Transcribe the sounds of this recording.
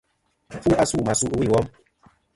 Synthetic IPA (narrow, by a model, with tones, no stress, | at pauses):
fu˦a˦su˦˨ma˨su˦ʔwi˦˨wɔ˦m